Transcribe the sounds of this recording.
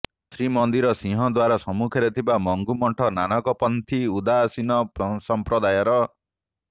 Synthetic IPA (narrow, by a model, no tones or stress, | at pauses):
sɾimɔnd̪iɾɔsĩɦɔd̪waɾasɔmukʰeɾet̪ʰibamɔŋɡumɔɳʈʰɔnanɔkɔpɔnt̪ʰiud̪asinɔpsɔmpɾɔd̪ajɔɾɔ